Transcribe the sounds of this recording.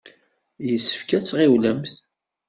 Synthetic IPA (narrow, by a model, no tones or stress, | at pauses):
jəsːə̥fkæt͡sːʁewləmθ